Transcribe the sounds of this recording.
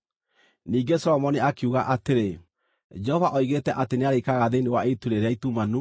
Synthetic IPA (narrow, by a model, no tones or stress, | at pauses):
niːɡesɔɾɔmɔniakeuːɣaʔateɾe | d͡ʒɛhɔvaʔɔiɣetɛʔateneaɾekaɣaðenewaetuɾeɾeaitumanu